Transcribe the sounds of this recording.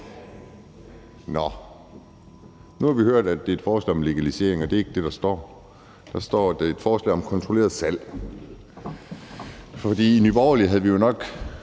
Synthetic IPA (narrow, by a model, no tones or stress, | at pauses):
nɒ | nuhɑ̈ʋihøɐ̰d̥æd̥e̝ɐed̥fɒːslɛ̰ːɒ̽mle̝ɡ̥ælise̝̰ɐe̝ŋɒd̥e̝e̝ɡ̥d̥e̝ɾ̥ɑ̈sd̥ɒ̰ː | d̥ɑ̈sd̥ɒ̰ːd̥ee̝d̥fɒːslɛ̰ːɒ̽mkʰɒ̽nt͡sʰʁole̝̰ːɐðˠsæl̰ | fɒ̽d̥ḭːinyb̥ɒʊɐliɦæð̩ˠʋijo̝nɒ̽ɡ̥